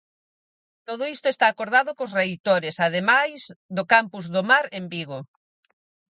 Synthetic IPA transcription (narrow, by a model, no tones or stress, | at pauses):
t̪oð̞ʊist̪ʊest̪aːkoɾð̞aðʊkosrejt̪oɾesað̞emajzd̪ʊkampuzðomaɾembiɣo